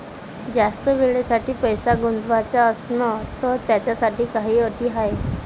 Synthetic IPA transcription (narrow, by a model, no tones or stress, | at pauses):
d͡zast̪əʋeɭesaʈiːpəjsaɡund̪ʋat͡ɕaəsnət̪ət̪jat͡ɕjasaʈiːkaɦiːəʈiːɦaj